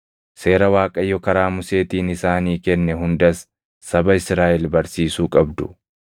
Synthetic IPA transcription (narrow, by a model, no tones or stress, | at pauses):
se̞ːɾɐwaːkʼɐjːɔkɐɾaːmʊse̞ːt̪iːnɪsaːniːkɛnːɛɦʊnd̪ɐsː | ɐbɐɪsɾaːʔɛlbɐɾsiːsuːkʼɐbd̪ʊ